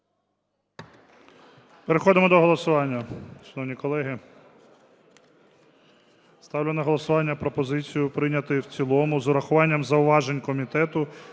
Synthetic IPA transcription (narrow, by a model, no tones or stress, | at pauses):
peɾexɔd̪ɪmɔd̪ɔɦɔlˠɔsʊʋɑnʲːɐʃɐnɔwnʲikɔlˠɛɦɪ | st̪ɑwlʲʊnɐɦɔlˠɔsʊʋɑnʲːɐpɾɔpɔzɪt͡sʲijʊpɾɪnʲɐt̪ɪwt͡sʲilˠɔmʊzʊɾɐxʊʋɑnʲːɐmzɐʊʋɑʒenʲkɔmʲit̪ɛt̪ʊ